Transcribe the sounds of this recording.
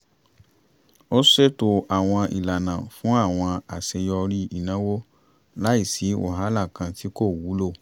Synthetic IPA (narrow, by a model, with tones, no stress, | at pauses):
o˦se˦˨to˧a˨w̃ɔ̃˧ḭ˨la˨nã˨fũ˦a˦˨w̃ɔ̃˧a˨se˧jɔ˧ɾi˦i˦˨nã˨˦wo˦ | la˦i˦˨si˨˦o̰˦˨ɦa˨˦la˦˨kã˧ti˦ko˦˨wu˨˦lo˦˨